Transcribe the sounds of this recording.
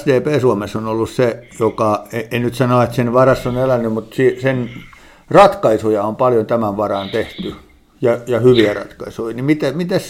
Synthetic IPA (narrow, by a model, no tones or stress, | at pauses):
sd̪eːpeːsuomesːonolːussejokɑeenyt̪sɑnoɑet̪senʋɑrɑsːonelænːymut̪sisen | rɑt̪kɑisujɑompɑljont̪æmæʋʋɑrɑnt̪eht̪y | jɑjɑhyʋiærɑ̰t̪kɑisuinimit̪æmit̪æs